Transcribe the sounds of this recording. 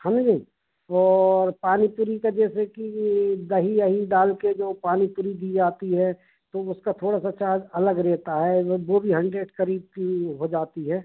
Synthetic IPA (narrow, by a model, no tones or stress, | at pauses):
hãnd͡ʒi | ɔːɾpaːnipuːɾikad͡ʒɛːsekid̪ɐɦiəɦiɖaːlked͡ʒoːpaːnipuːɾid̪iːd͡ʒaːt̪iɦɛ | t̪oʊskat̪ʰoːɽasat͡ʃaːd͡ʒɐləɡɾɛːt̪aɦɛʋobʱiɦɐ̃ɳɖɾeɖkəɾiːb̚kiɦod͡ʒaːt̪iɦɛː